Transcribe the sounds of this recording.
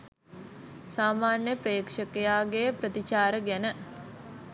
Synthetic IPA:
saːmaːnjəpɾeːkʂəkejaːɡejəprət̪it͡ʃaːɾəɡænə

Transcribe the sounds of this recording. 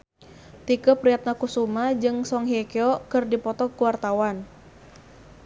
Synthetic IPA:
t̪ikəpɾiat̪̚nakusumad͡ʒɨŋsɔŋɦiɛkeɔkɨrdipɔt̪ɔkuwart̪awan

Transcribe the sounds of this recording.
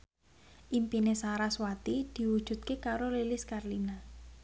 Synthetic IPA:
ʔimpinesaɾaswat̪id̪̥i̤wud̥ʒ̥ṳt̪̚kekaɾolelɪskarlina

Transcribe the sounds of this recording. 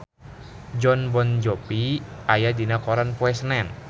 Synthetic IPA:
d͡ʒɔnbɔnd͡ʒɔpiajadinakɔɾanpɔɛsnɛn

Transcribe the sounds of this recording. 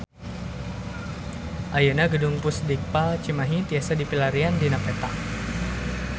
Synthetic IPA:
ʔajənaɡədʊŋpusdik̚palt͡ʃimaɦit̪iasadipilaɾiandinapɛt̪a̰

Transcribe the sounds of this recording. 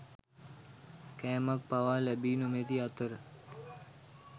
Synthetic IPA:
kɛːmək̚paʋaːlɛbiːnomet̪iat̪əɾə

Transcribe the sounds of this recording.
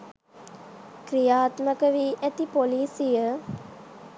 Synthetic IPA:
kɾijaːt̪məkəʋiːʔæt̪ipoliːsijə

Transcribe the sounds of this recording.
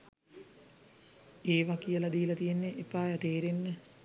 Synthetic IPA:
eːʋakijəlɐd̪iːlɐt̪ijenːeʔːpaːjat̪eːɾenːə

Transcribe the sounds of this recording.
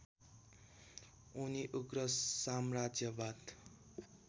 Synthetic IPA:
uniʔuɡɾʌsamrad͡zjʌbad̪

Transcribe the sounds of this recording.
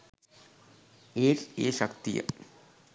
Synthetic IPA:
eːɾeːʃɐkt̪ijɐ̰

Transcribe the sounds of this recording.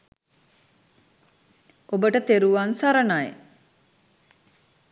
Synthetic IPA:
obəʈət̪eɾuʋansaɾənaj

